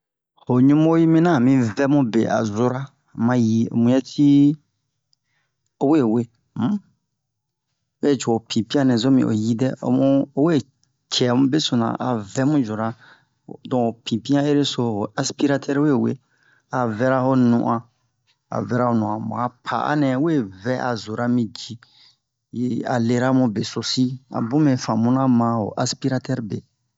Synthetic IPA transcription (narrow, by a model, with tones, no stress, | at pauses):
ho˨ɲũ˦mo˦ji˦mĩ˦nã˦˨mĩ˦vɛ˦mũ˦bḛ˨a̰˨zo˦ɾa˦ | mã˦ji˦o̰˨mũ˦jɛ˦tʰi˦ | o˦we˦˨we˦ | m̩˦ | wɛ˦˨t͡ʃo˨o˨pʰĩ˨pi˦ã˦nɛ̃˨zo˦mḭ̃˨ʔo̰˨ji˦dɛ˦o̰˦mũ˦o˦we˦˨ | t͡ʃʰɛ˨mũ˦be˦so˨nã̰˨ʔa˨vɛ˦mũ˦d͡ʒo˨ɾa˦˨ | dɔ̃˨o˨pĩ˨pĩ˦ã˦e˦ɾe˦so˨ho˨a˦spi˦ɾa˦tʰɛ˦ɾwe˦˨we˦ | a˨vɛ˦ɾa˦ho˦nṵ̃˨ʔã˨ | a̰˨vɛ˦ɾa˦ho˦nũ˨ã˨mṵ̃˨a˨pʰa̰˨ʔa̰˦nɛ̃˨˦we˦˨vɛ˦ʔa̰˨zo˨ɾa˦mĩ˦d͡ʒi˦ | ja̰˨le˦ɾa˦mũ˦be˨so˨si˦a̰˨bũ˦mɛ̃˨fã˨mũ˦nã˦mã˨ho̰˨ʔa˦spi˦ɾa˦tɛ˦ɾbe˨